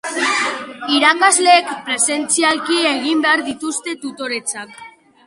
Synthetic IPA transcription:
iɾakazle̞ːkpɾe̞se̞nt͡sialkie̞ɣ̞imbe̞aɾðit̪ust̪e̞t̪ut̪o̞ɾe̞t͡sak

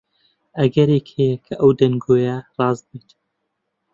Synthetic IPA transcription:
ɐɡɐɾeːkhejɛkʰɐʔɐwd̪ɐnɡoːjɐrˤɑːzbet̪

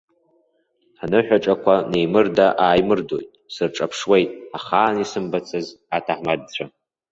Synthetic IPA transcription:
anɨħʷᶣaʈ͡ʂʼakʷʰane̞jmɨrdaʔaːjmɨrdo̞̰jtʼsɨrʈ͡ʂʼapʰʂwe̞jtʼaχaːnisɨmbat͡sʰʼɨz | atʰaħmad̚t͡ɕʷʰa

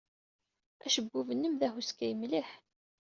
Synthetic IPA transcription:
æʃəɡʷːuvənːəmðæhuskæjəmliħ

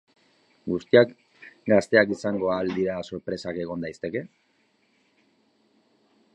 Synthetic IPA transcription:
ɡust̪iak | ɡast̪e̞akisaŋɡo̞ald̪iɾaso̞ɾpɾe̞sake̞ɣ̞o̞nd̪ajst̪e̞ke̞

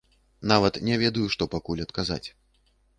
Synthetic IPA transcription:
navɐt̪nʲɛvʲɛd̪ɐjuʂt̪ɔpakulʲɐt̪kaza̰t͡sʲ

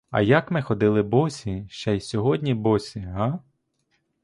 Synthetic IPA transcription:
ɐ̰jɐkmɪxɔd̪ɪlˠɪbɔsʲiʃt͡ʃɛjsʲɔɦɔdʲnʲibɔsʲiɦa

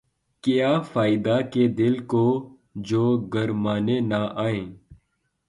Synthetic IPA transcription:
kɪjaːfaːid̪aked̪ɪlkoː | d͡ʒoːɡəɾmaːnenaʔaːẽː

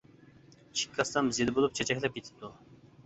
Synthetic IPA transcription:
t͡ʃʰi̥kʲʰːɑsɑmzed̪ɪbolˠup̚t͡ʃʰɛt͡ʃʰɛkʲlˠɛp̚ɡʲet̪ʰɪ̥d̪u

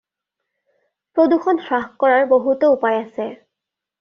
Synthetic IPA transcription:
pɹoduxʰɔnsɹaxkɔɹaɹboɦutoupajasɛ

